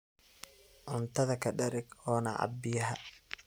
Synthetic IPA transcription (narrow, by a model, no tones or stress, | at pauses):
ʔʊnt̪ʰɐðɐkʰɐɖɐɾɪɡɔːnɐʕɑ̰bɪjɐɦɐ